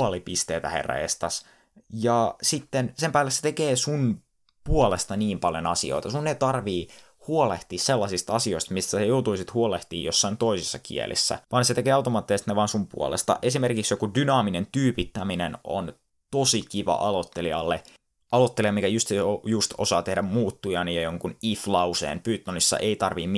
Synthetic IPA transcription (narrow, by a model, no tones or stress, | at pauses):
ɑlipist̪eːt̪æ̰hḛrːɑ̰ḛst̪ɑs | jɑsit̪ːensempæːlːesːe̥t̪ekeːsun | puolest̪ɑniːmpɑljonɑsḭo̰it̪ɑsunːet̪ɑrʋiː | huoleht̪iːsselːɑsist̪ɑsioist̪mist̪æsɑjout̪uisit̪huoleht̪iːjosːɑint̪oisisːɑkḭḛlʔḭsːæ̰ʋɑnset̪ekeːɑwt̪omɑːt̪ːesist̪neʋɑːnsumpṵo̰lḛst̪ɑ̰ʔe̞simerkiksjokudynɑːminent̪yːpit̪ːæmineno̰n | t̪osikiʋɑ̰ʔɑlot̪ːeliɑlːe | ʔɑlot̪ːelijɑmikæjust̪ojust̪o̰sɑːt̪ehdæmmuːt̪ːujɑnijɑjoŋkuniflɑusḛːnpyːt̪ːonisːɑ̰ʔeit̪ɑrʋim